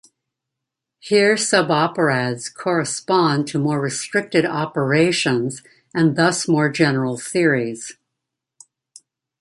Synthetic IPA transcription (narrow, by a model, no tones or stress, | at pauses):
hiɹsʌbɑpə˞ædz̥kʰɔɹɨspɑ̃ntʰɨmɔɹɹɨstɹ̥ɪk̚tɨɾɑpə˞eɪʃɨ̃nz | ɨ̃nðʌsmɔɹd͡ʒɛnə˞l̩ˠθɪɹiz̥